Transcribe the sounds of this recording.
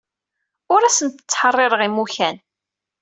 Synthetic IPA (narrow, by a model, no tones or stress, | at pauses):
ʊɾæsənt̪ə̥t͡sːħərˤːɪɾəʁimuçæn